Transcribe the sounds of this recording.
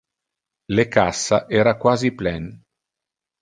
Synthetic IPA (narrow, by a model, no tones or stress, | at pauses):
lekasːaʔɛːɾakwaːziplɛn